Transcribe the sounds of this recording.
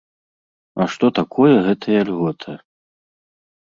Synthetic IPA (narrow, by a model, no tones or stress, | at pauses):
ɐʂt̪ɔt̪akʰɔjɛɣɛt̪ʰɐjɐlʲɣɔt̪ʰɨ